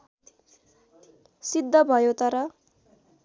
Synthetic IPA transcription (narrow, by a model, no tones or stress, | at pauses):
sid̪ʱːʌbʱʌjot̪ʌɾʌ